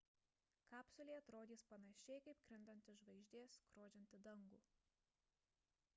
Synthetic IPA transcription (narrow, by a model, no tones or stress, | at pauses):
kɑːpsʊlʲeːɐt̪ɾoːd̪ʲiːspɐnɐʃʲɛɪkɐɪp̚kɾʲɪnd̪ɐnʲt̪ʲɪʒʋɐɪʒʲd̪ʲeːskɾoːd͡ʒʲɛnʲt̪ʲɪd̪ɐŋɡuː